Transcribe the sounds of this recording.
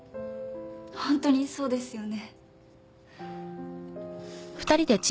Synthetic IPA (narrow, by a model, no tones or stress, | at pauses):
hõnt̪o̞ɲ̟iso̞ːd̪e̞sɨjo̞ne̞ | ɸɯ̟̥t̪aɾʲid̪e̞t͡ɕ